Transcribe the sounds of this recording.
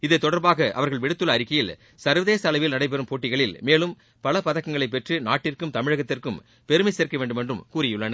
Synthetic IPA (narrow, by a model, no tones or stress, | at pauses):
ɪðɐɪt̪ːɔɽɐɾbaːɣɐʔɐ̰ʋɐɾɣɐɭʋɪɽɯt̪ːɯlɐːɾɪkːɐjɪl | sɐɾʋɐðeːsɐːlɐʋɪlnɐɽɐɪp̬ɛɾɯmpoːʈːɪɣɐɭɪlmeːlɯm | pɐlɐpɐðɐkːɐŋɡɐɭɐɪp̬ːɛʈrɯnaːʈːɪrkɯmt̪ɐmɪɻɐɣɐt̪ːɪrkɯm | pɛɾɯmɐɪseːɾkɐʋeːɳɖɯmɛndrɯmkuːɾɪjɯɭːɐn